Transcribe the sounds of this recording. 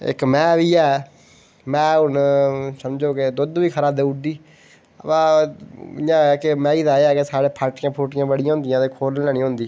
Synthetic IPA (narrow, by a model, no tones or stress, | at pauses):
ɪ̰kmɛ̃ːʋiːɛː | mɛ̃ːʊnsəmd͡ʒoːked̪ʊd̪ʋiːkʰəɾaːd̪eːuɖiː | əpãː | ɪjãːkɪmɛ̃ːiːd̪aːɛːkesaːɽeːpʰaːɾʈɪjãːpʰoːʈɪjãːbəɽɪjãːɦʊ̃ːnd̪ɪjãːt̪eːkʰoːɾnlɛːñĩːoʊ̃ːnd̪iː